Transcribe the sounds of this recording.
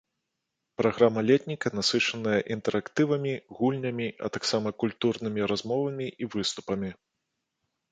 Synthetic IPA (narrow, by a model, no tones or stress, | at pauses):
pɾaɣɾamɐlʲɛt̪ʲnʲikɐnasɨt͡ʂɐnɐjɐʔint̪ɛɾakt̪ɨvɐmʲiɣulʲnʲɐmʲiʔɐ̰t̪aksamɐkulʲt̪urnɨmʲiɾazmɔvɐmʲiʔivɨst̪u̥pɐmʲi